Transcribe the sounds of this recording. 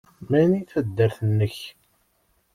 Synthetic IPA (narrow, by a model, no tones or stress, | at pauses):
mæniθæd̪ːəɾθənːəç